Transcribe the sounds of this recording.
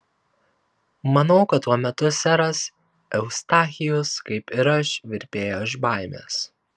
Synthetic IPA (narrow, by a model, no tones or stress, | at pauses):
mɐnɐʊkɐt̪ːuɔmʲɛt̪ʊsʲæɾɐs | ɛʊst̪ɑːxʲɪjʊskɐɪpɪɾɐʃʋʲɪɾʲpʲeːjoɪʒbaˑɪmʲḛːs